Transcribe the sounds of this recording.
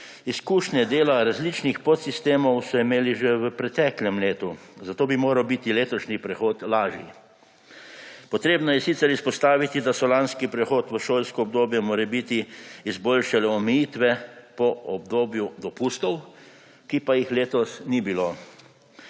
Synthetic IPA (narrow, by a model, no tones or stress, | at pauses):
iskuːʃnɛd̪eːlaɾazlit͡ʃnixpot̪sist̪eːmɔwsɔimeːliʒɛʋəpɾɛt̪ɛːklʲɛmleːt̪uzat̪oːbimoːɾawbit̪ileːt̪ɔʃnipɾɛxoːt̪laːʒjḭ | pɔt̪ɾeːbnɔjɛsit̪sɛɾispɔst̪aːʋit̪id̪asɔlanskipɾɛxoːt̪ʋəʃoːlʲskɔːb̚d̪oːbjɛmoːɾɛbit̪iːzbolʃalɛɔmɛjit̪ʋɛpɔɔbd̪oːbjud̪ɔpust̪ɔw | kipajixleːt̪ɔsnibiloː